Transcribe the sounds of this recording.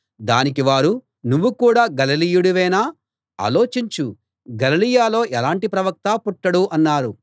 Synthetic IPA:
d̪aːnikiʋaːɾu | nuʋːukuːɽaːɡɐlɐlijuɽuʋɛːnaː | a̰ːlo̞ːt͡ʃiɲt͡ʃu | ɡɐlilijaːlo̞ːʔɛlaːɳʈipɾɐʋɐk̚t̪aːpuʈːɐɽuʔɐnːaːɾu

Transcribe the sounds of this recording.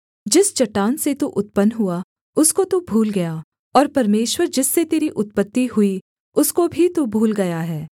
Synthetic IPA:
d͡ʒɪst͡ʃɐʈːaːnset̪uʔʊt̪̚pənɦua | ʊskot̪ubʱuːlɡɐja | ɔːɾpɐɾmeːʃwəɾd͡ʒɪsːet̪eːɾiʔʊt̪̚pət̪ːiɦʊi | ʊskobʱit̪ubʱuːlɡɐjaɦɛː

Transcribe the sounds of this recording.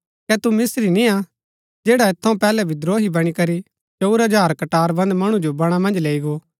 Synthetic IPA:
kɛt̪umɪsɾinia | d͡ʒeːɽaet̪ʰːɐũpɛːlɛbʱid̪ɾoːɦibɐɽ̃ikɐɾi | t͡ʃɐuɾɦɐd͡ʒaːɾkɐʈaːɾbɐ̃nd̪mɐɽ̃ũd͡ʒobɐɽ̃amɐ̃nd͡ʒleːiɡo

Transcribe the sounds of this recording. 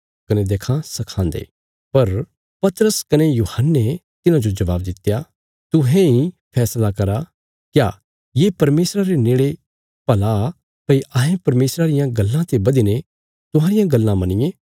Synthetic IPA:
kɐned̪eːkʰãsɐkʰãːnd̪ḛː | pɐɾ | pɐt̪ɾəskɐnejuːhənːet̪ɪnãd͡ʒod͡ʒɐʋaːbd̪ɪt̪ːja | t̪ʊɦẽipʰɛːslakɐɾa | kja | jeːpɐɾmeːsɾaɾeneːɭe | pɐla | pɐiʔaːɦẽpɐɾmeːsɾaɾɪjãɡɐlːãt̪ebɐd̪ine | t̪ʊɦãːɾɪjãɡɐlːãmɐnɪjẽː

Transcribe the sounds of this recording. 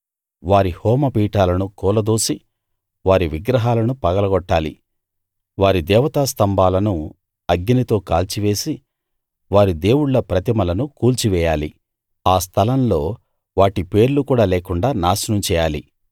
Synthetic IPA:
ʋaːɾihɔːmɐpiːʈaːlɐnukɔːlɐd̪oːsi | ʋaːɾiʋiɡɾɐɦaːlɐnupɐɡɐlɐɡɔʈːaːlḭ | ʋaːɾid̪ɛːʋɐt̪aːst̪ɐmbaːlɐnu | ɐɡɲɐnit̪o̞ːkaːlt͡ʃiʋe̞ːsi | ʋaːɾid̪e̞ːwuɽlɐpɾɐt̪imɐlɐnukuːlt͡ʃiʋɛːjaːli | aːs̬t̪ʰɐlɐmlo̞ː | ʋaːʈipe̞ːɾlukuːɽaːleːkuɳɖaːnaːsɐnɐmt͡ʃɛːjaːlḭ

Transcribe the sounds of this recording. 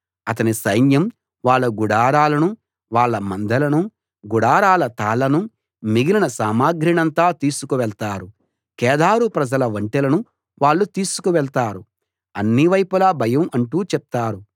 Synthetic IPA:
ɐt̪ɐnisɐjnjɐm | ʋaːɭːɐɡuɽaːɾaːlɐnu | ʋaːɭːɐmɐnd̪ʱɐlɐnu | ɡuɽaːɾaːlɐt̪aːlɐnu | miɡilinɐsaːmaːɡɾiɳɐnt̪aːt̪iːsukuʋɛɭt̪aːɾu | kɛːd̪aːɾupɾɐd͡ʒɐlɐʋɐɳʈɛlɐnu | ʋaːɭːut̪iːsu̥kuʋɛɭt̪aːɾu | ɐnːiʋɐjpulaːbʱɐjɐmɐɳʈuːt͡ʃɛp̚t̪aːɾu

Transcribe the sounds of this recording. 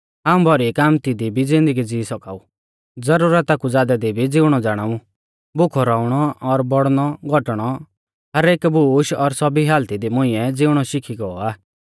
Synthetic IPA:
aːũbʱɔɾikaːmt̪id̪ibʱid͡zɪ̃nd̪əɡid͡ziːsɔka̰ːu | d͡zɐɾuːɾət̪akud͡zaːd̪ad̪ibʱid͡zɪʊɽ̃ɔd͡zaːɽ̃aːũ | bʊkʰɔɾaːuɽ̃ɔɔɾbɔɽñɔɡʱɔʈɽ̃ɔ | ɦɐɾeːkbʱuːʃɔɾsɔbiɦaːlt̪id̪imʊ̃ɪ̃ɛd͡zɪʊɽ̃ɔʃɪkʰiɡɔɔaː

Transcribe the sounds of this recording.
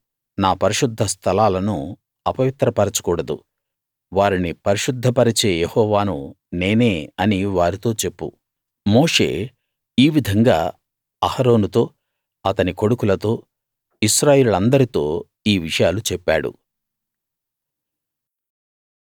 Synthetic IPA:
naːpɐɾiʂud̪ʱːɐst̪ʰɐlaːlɐnu | ɐpɐʋit̪ɾɐpɐɾɐt͡ʃu̥kuːɽɐd̪ṵ | ʋaːɾinipɐɾiʃʂud̪ʱːɐpɐɾit͡ʃe̞ːjehɔːʋaːnu | ne̞ːne̞ːɐniʋaːɾit̪o̞ːt͡ʃe̞pːṵ | mo̞ːʂe̞̰ː | iːʋid̪ʱɐŋɡa̰ː | ɐhɐɾo̞ːnut̪o̞ː | ɐt̪ɐniko̞ɽukulɐt̪o̞ː | iʃɾaːje̞ːlulɐnd̪ɐɾit̪o̞ː | iːʋiʂɐjaːlut͡ʃɛpːa̰ːɽṵ

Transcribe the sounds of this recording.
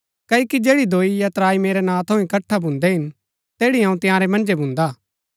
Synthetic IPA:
kɐːjːkid͡ʒeːɽid̪ʱoːijɐt̪ɾaːimeːɾenãːt̪ʰoːĩkɐʈʰːabʱʊ̃ːnd̪eɦɪn | t̪eːɽiɦãːũt̪ɪjãːɾemɐ̃nd͡ʒebʱʊ̃ːnd̪aː

